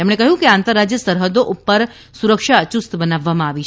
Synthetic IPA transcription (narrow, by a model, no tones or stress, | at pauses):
t̪emɽ̃ekəɦjũkeant̪əɾːad͡ʒjəsəɾɦəd̪oʔupːəɾ | suɾəkʃaət͡ʃust̪bənaʋːamãaʋit͡ʃʰ